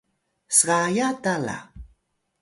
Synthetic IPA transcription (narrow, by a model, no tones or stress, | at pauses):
sɢɑjat̪ala̰